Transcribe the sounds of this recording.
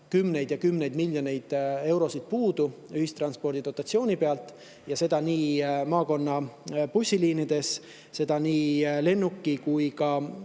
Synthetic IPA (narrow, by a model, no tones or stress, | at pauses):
kymːne̞jd̪jɑkymːne̞jd̪miljone̞jd̪̥e̞wɾo̞sit̪̚puːd̪̥uyɦist̪rɑnspo̞rd̪id̪o̞t̪ːˑɑt̪sio̞ːnipe̞ɑlt̪ːˑ | jɑse̞d̪̥ɑniːmɑːko̞nːɑpusʲːiliːnid̪̥e̞s | se̞d̪̥ɑniːle̞nːukːikujkɑ